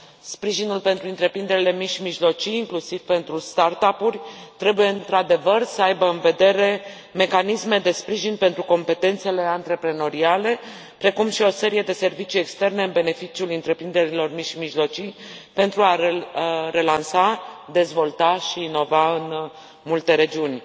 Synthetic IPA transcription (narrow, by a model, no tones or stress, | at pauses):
spɾiʒinulpe̞nt̪ɾuɨnt̪ɾe̞pɾind̪e̞ɾʲile̞miʃimiʒlo̞t͡ʃijːŋklusiv̥pe̞nt̪ɾust̪art̪apurʲt̪ɾe̞buje̞ɨnt̪ɾad̪e̞vərsəajbəɨnve̞d̪e̞ɾe̞ | me̞kanisme̞d̪e̞spɾiʒinpe̞nt̪ɾuko̞mpe̞t̪e̞nt̪se̞le̞ant̪ɾe̞pɾe̞no̞ɾiale̞ | pɾe̞kumʃio̞se̞ɾije̞d̪e̞se̞rvit͡ʃije̞kst̪e̞rne̞ɨnbe̞ne̞fit͡ʃiulɨnt̪ɾe̞pɾind̪e̞ɾilo̞rmiʃimiʒlo̞t͡ʃijpe̞nt̪ɾua | ɾe̞lansad̪e̞zvo̞lt̪aʃiːno̞vaɨn | mult̪e̞ɾe̞d͡ʒiunʲ